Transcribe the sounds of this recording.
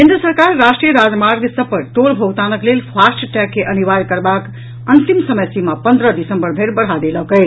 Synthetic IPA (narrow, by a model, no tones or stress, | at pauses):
kẽnd̪ɾəsəɾkaɾːasʈɾijəɾad͡zmaɾɡsəpəʈolbʱoɡt̪anəklelpʰasʈʈɛkːeʔəniʋaɾkəɾbak | ənt̪imsəməjsimapənd̪ɾəd̪isə̃mbəɾbʱeɾbəɽ̤ad̪eləkəj